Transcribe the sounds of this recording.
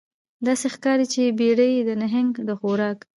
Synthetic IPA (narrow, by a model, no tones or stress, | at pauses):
d̪ɑsexkɑɾit͡ʃebeɽəjd̪ənaɦɪŋɡd̪əxoɾɑk